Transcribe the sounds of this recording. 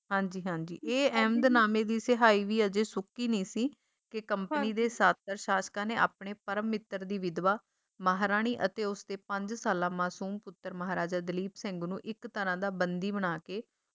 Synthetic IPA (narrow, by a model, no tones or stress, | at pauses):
ɦãːɲd͡ʒiːɦãːɲd͡ʒḭːeːɛːmd̪naːmẽːd̪iːsɪɦaːiːʋiːəd͡ʒeːsʊkːiːnĩːsiː | kɪkəmpəniːd̪eːsaːt̪əɾʃaːskãːneːʔa̰ːpɳeːpəɾəmːɪt̪ːəɾd̪iːʋɪd̪ʋaː | maːɦaɾaːɽ̃iːʔət̪eːʊsd̪eːpəɲd͡ʒsaːlãːmaːsuːmpʊt̪ːəɾməɦaːɾaːd͡ʒaːd̪əliːpsɛ̃ŋɡnũːʔɪkt̪əɾãːd̪aːbənd̪iːbəɽ̃aːkeː